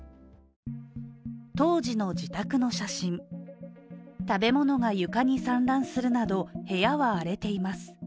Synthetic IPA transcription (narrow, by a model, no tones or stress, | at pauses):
t̪o̞ːd͡ʑino̞d͡ʑit̪akɯ̟no̞ɕaɕĩn | t̪abe̞mo̞no̞ŋajɯ̟kaɲ̟isãnɾãɰ̃sɨɾɯ̟nad̪o̞he̞jaβaːɾe̞t̪e̞imasɨ̥